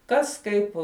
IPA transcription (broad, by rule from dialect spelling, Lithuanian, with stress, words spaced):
ˈkɐs ˈkɐɪp